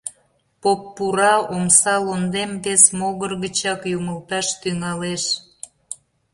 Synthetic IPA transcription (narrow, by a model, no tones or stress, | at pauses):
popːuɾɑomsɑlond̪emd̪esmoɣərɣət͡ɕɑkjuməlt̪ɑʃt̪yŋɑleʃ